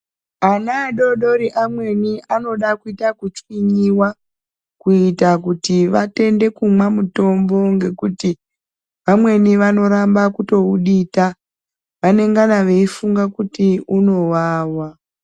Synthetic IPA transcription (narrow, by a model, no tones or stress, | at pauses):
anaːɗo̞ɗo̞ɾiʔamwe̞niʔano̞ɗakuitakut͡ʃwiɲiwa | kuitakutiʋate̞nde̞kumwamuto̞mbo̞ŋɡe̞kuti | ʋamwe̞niʋano̞ɾambakuto̞uɗita | ʋane̞ŋɡanaʋe̞ifuŋɡakutiuno̞waːwa